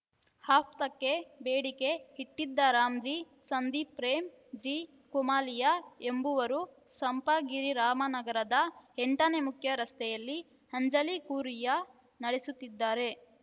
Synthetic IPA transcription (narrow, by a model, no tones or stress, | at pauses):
haːpʰt̪ɐkːe̞beːɽike̞hiʈ̪ːid̪ːɐɾaːmd͡ʒi | sɐnd̪ipɾeːm | d͡ʒi | kumaːlijaembuʋɐɾu | sɐmpɐɡiɾiɾaːmɐnɐɡɐɾɐd̪ɐeɳʈɐnemukʰjɐɾɐst̪ɛjɐlːi | hɐɲd͡ʒɐlikuːɾijɐ | nɐɽesut̪ːid̪ːaːɾe̞